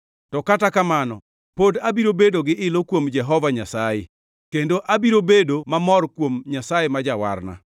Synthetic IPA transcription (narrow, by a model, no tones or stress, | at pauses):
tɔkatakamanɔ | podabiɾobedoɡɪʔɪlokwomd͡ʒɛɦɔvaɲasajḛ | kendoʔabiɾobedomamɔrkwomɲasajemad͡ʒawa̰rna̰